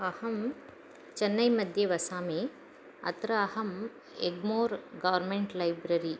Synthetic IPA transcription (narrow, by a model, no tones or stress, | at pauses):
ɐhɐm | t͡ʃɐnːɐjmɐd̪ʱjeʋɐsaːmeː | ɐ̰t̪ɾɐɐɦɐm | eɡmoːɾɡɐʋɐɾmeɳʈlɐjbɾɐɾi